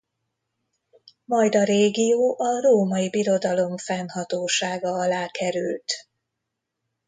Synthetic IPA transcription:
mɒjd̪ɒɾeːɡijoːʔɒroːmɒjibiɾo̞d̪ɒlo̞mfɛnhɒt̪oːʃaːɡɒɒlaːkɛɾylt̪

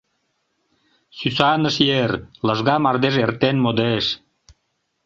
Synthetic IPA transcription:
sysɑnəʃjerlə̆ʒɣɑmɑrd̪eʒert̪enmod̪eʃ

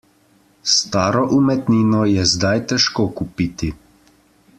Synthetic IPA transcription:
st̪aːɾɔʔumɛt̪niːnɔjɛzd̪ajt̪ɛʃkoːkupiːt̪i

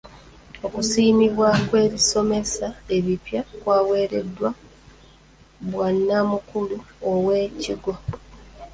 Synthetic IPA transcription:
o̞kusiːmiβwakwe̞ːβiso̞me̞sae̞βipjakwaːweːɾe̞̰dːwa | bwanːamukuluowe̞ːciɡwo

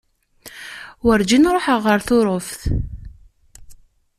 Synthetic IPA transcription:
wəɾd͡ʒinɾˤoħəʁːəɾθʊɾˤofθ

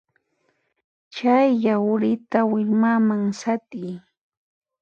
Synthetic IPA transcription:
t͡ʃajːawɾɪt̪awɪʎmamaŋsat̪ɪj

